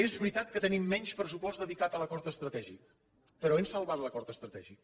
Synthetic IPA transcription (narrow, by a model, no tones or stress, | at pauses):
ezβɾit̪at̪̚kət̪ənimːɛɲʲʃpɾəs̬upɔzd̪əðikat̪ələkɔɾt̪əst̪ɾət̪ɛʒḭk̚ | pəɾɔensəlˠβat̪ləkɔɾt̪əst̪ɾət̪ɛʒik̚